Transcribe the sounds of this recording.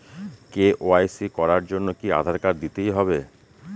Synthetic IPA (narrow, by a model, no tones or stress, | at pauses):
keʔoajsikɔɾaɾd͡ʑonːokia̰d̪ʱaɾkaɾd̪it̪ejɦɔbe